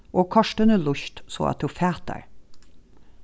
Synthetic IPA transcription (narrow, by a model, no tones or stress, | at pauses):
ʔoːkʰɑʃʈənəlʊçt̪so̰ːɑ̰t̪d̪uːfæːt̪̚æ̰ɹ